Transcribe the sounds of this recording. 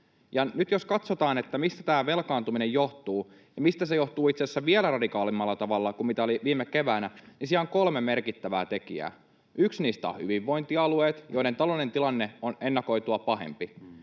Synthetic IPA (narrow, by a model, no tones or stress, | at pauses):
jɑnyt̪joskɑt̪sot̪ɑːnet̪ːæmist̪æt̪æːʋelkɑːnt̪uminejo̞ht̪uː | jɑmist̪æsejo̞ht̪uːit̪sesːæʋielærɑdikɑːlimːɑlːɑt̪ɑʋɑlːɑkummit̪æoliʋiːmːekeʋæːnænisiæoŋkolmemerkit̪ːæʋæ̰ːt̪e̞kiæ̰ː | yksniːst̪æ̰o̰hy̰ʋiʋːo̞int̪iɑlueːt̪jo̞iɾent̪ɑloline̞nt̪ilɑnːeonenːɑko̞it̪uɑpɑɦḛmpi